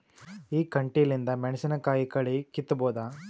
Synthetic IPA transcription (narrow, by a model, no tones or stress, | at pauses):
iːkɐɳʈilind̪ɐmɛɳɐsinɐkaːjikɐɭikit̪ːɐboːd̪a